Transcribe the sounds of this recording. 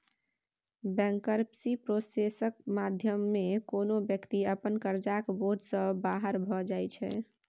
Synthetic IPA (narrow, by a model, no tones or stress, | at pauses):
bɛ̃ŋkəɾpsipɾosesək̚mad̪ʱjəmːekonobjəkt̪iəpənkəɾd͡ʒakboɾɖsəbaɦəɾbʱɔd͡ʒajt͡ʃʰɛ̰